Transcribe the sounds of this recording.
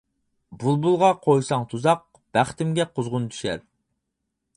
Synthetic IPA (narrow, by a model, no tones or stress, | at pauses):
bulˠbulˠʁɑqʰojsɑŋt̪ʰuzɑq̚ | b̥æχt̪ɪmɡʲɛqʰʊzʁʊnt̪ʰy̥ʃæ̰ɾ